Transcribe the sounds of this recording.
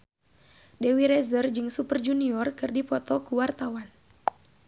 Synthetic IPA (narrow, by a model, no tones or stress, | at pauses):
dewiɾɛzərd͡ʒɨŋsupərd͡ʒuniɔrkɨrdipɔt̪ɔkuwart̪awan